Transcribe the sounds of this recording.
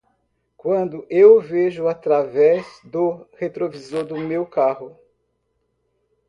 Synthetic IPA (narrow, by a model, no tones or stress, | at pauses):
kwɐ̃nd̪ʊʔewveʒʊat̪ɾavɛzd̪ʊhet̪ɾovizoɾd̪ʊmewkahʊ